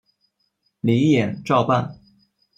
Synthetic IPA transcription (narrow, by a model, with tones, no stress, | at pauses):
li˧˥˦jɛ˨˩nʈ͡ʂɑ˥˧ʊpa˥˩n